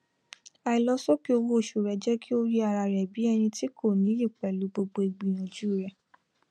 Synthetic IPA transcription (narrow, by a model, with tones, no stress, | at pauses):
a˧i˨˧lɔ˦sɔ˦ki˦o˧wo˦o˦˨ʃu˨ɾɛ˨d͡ʒɛ˦kʰi˦o˦ɾi˦a˧ɾa˧ɾɛ˨bi˨˦ɛ˧ñĩ˧ti˦ko˦˨nĩ˨˦ɾi˦˨k͡pɛ˨lu˨˦ɡ͡bo˧ɡ͡bo˧i˨ɡ͡bi˨˧˨j̃ɔ̃˨d͡ʒu˦˨ɾɛ˨